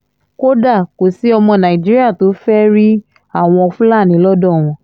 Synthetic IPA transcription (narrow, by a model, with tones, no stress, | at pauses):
ko˦da˦˨ko˨si˨˦ɔ˧mɔ̃˧nã˨i˨d͡ʒi˦ɾi˦a˦˨to˨˦fɛ˦ɾi˦ | a˦˨w̃ɔ̃˧ɔ˧fũ˦la˦˨nĩ˨˦lɔ˦dɔ̃˦˨w̃ɔ̃˧˦